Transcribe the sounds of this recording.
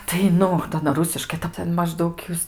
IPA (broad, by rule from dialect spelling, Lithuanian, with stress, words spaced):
tɐɪ ˈnʊ tɐ ɐˈnɐ ˈrʊsʲɪʃkɐɪ tɐɪ ˈtʲɛn mɐʒˈdɐʊk ˈjuːs